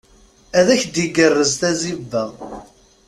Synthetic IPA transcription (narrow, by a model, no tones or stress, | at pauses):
æðæçd̪iɡərːəzθæzivːæ